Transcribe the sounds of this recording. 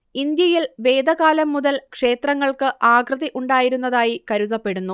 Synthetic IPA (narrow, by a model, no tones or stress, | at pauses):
ind̪jɐjilʋe̞ːd̪ʱɐɣaːlɐmːuðɐlkʂe̞ːt̪rɐŋːɐɭkɨʔaːɡrɨðiʔuɳɖaːjiɾunːɐðaːjikɐɾuðɐpːe̞ɽunːu